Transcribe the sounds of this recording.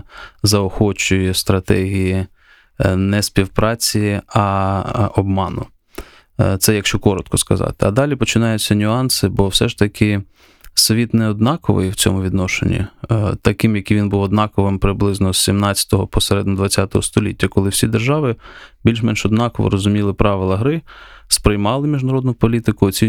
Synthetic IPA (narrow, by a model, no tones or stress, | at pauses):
zɐɔxɔt͡ʃʊjɛst̪ɾɐt̪ɛɦʲiji | nɛsʲpʲiwpɾɑt͡sʲijiɐ | ɔbmɑnʊ̰ | t̪sɛjɐkʃt͡ʃɔkɔɾɔt̪̚kɔskɐzɑ̰t̪ɪɐd̪ɑlʲipɔt͡ʃɪnɑjʊt͡sʲːɐnʲʊɑnsɪbɔwsɛʃt̪ɐkʰɪ | sʋʲit̪nɛɔd̪nɑkɔʋɪ̰jwt͡sʲɔ̰mʊʋʲid̪nɔʃḛnʲːḭt̪ɐkɪmjɐkiʋʲinbuʋɔd̪nɑkɔʋɪmpɾɪblˠɪznɔsʲsʲimnɑt͡sʲɐ̥t̪ɔɦɔpɔseɾɛd̪nɔd̪ʋɐt͡sʲːat̪ɔɦɔst̪ɔlʲitʲːɐkɔlˠɪwsʲid̪erʒɑʋɪbʲilʲʃmɛnʃɔd̪nɑkɔʋɔ̰ɾɔzʊmʲilˠɪpɾɑʋɪlˠɐɦɾɪspɾɪjmɑlˠɪmʲiʒnɐɾɔd̪nʊpɔlʲit̪ɪkʊt͡sʲi